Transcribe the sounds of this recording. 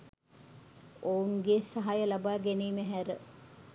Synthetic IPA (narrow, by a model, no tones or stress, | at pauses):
ouŋɡesaɦajəlabaːɡeniːməɦæɾə